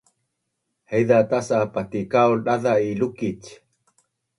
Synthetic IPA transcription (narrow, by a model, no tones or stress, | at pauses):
hejðat̪asapat̪ikawlɗaðailukic